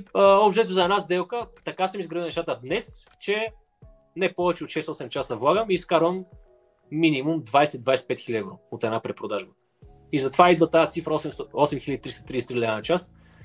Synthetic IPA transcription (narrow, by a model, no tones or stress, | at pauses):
əɔpʃt̪ɛt̪ʊzɐɛnazd̪ɛlˠkət̪ɐkasəmizɡɾɐvilˠnɛʃt̪at̪əd̪nɛs | t͡ʃɛ | nɛpɔvɛt͡ʃɛot̪ʃɛsɔsɛmt͡ʃasəvlˠaɡəmiːskaɾvəmː | inimumd̪vajsɛd̪vajsɛ̥pɛt̪xilʲɛvɾoot̪ɛnapɾɛpɾod̪aʒbə | izɐt̪ovaid̪vɐt̪ajət̪sifɾəɔsɛmst̪ɔsɛmxiləd̪it̪ɾisɛ̥t̪ɾisɛt̪ɾilʲɛanɐt͡ʃas